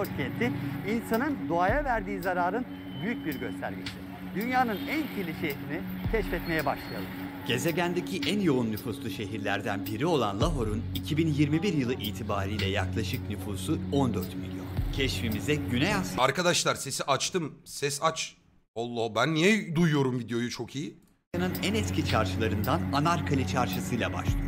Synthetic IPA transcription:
oɾcʲʰɛnt̪ʰiinsanɯnd̪oajavæɾd̪iːzaɾaːɾɯn | byjyc̚biɾɟø̞st̪ʰæɾmiʃt̪i | d̪ynjaːnɯnæncʰilʲiʃeiɾini | cʰɛʃfɛt̪me̞jɛbaʃlˠajalˠɯm | ɟ̥e̞ze̞ɟʲænd̪ecʰiʔænjo̞unːyfuslˠuʃe̞ɦiɾlʲæɾd̪ænbiɾio̞lˠanlˠaɦo̞ɾunicʰibinjiɾmibiɾjɯlˠɯʔiːt̪ʰibaːɾijlʲɛjaklˠaʃɯknyfuːsuo̞nd̪øɾt̪milʲjo̞ncʰɛʃfimizɛɟynɛjasaɾkad̪aʃlˠaɾse̞siʔat͡ʃt̪ʰɯmsɛsat͡ʃ | olˠːobænːijɛd̪ujujo̞ɾumvid̪ejo̞jut͡ʃʰo̞kʰiji | anɯnænɛt̪cʰit͡ʃʰaɾʃɯlˠaɾɯnd̪ananaɾkʰalʲit͡ʃʰaɾʃɯsɯjlˠaba̰ʃlˠɯj

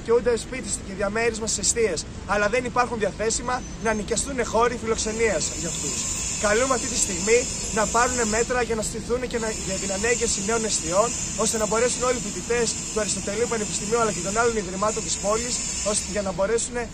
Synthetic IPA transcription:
t̪iund̪espit̪isceðʝɐme̞ɾizmɐssest̪ie̞s | ɐlɐðe̞nipɐɾxunðiɐθe̞simɐ | nɐːnicɐst̪une̞xo̞ɾifilo̞kse̞niɐsʝɐft̪uskɐlumeɐft̪it̪ist̪iɣmi | nɐpɐɾune̞me̞t̪ɾɐʝɐnɐst̪iθuneceʝɐt̪inɐnɐɲɟe̞fsine̞o̞nest̪io̞n | o̞st̪e̞nɐbo̞ɾe̞suno̞lifit̪it̪e̞st̪uɐɾist̪o̞t̪e̞liupɐnepi̥st̪imiuɐlɐce̞t̪o̞nɐlo̞niðɾimɐt̪o̞nt̪ispo̞lis | osʝɐnɐbo̞ɾe̞sune̞

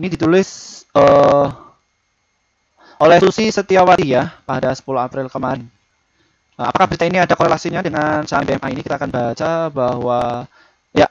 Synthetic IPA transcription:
inidit̪ulɪsə | ʔolɛhsusisət̪iawat̪ijapadasə̥pulʊhapɾɪlkəmaɾɪn | əa̰pakabəɾit̪ainiadakoɾelasiɲadəŋansabeɛmʔainikit̪aːkanbat͡ʃabahwa | ja

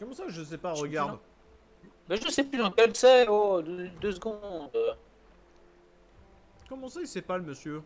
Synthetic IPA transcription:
kɔmɑ̃saʒəsɛpaʁəɡaʁd̪ | bɛʒəsɛplyd̪ɑ̃kɛlsɛod̪ød̪øsɡɔ̃d̪ | kɔmɑ̃saisɛpaləməsjø

